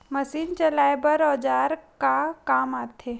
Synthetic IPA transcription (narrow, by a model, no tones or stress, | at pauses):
mɐsiːnt͡ʃɐlaːebɐɾɔːd͡ʒaːɾkakaːmaːt̪ʰe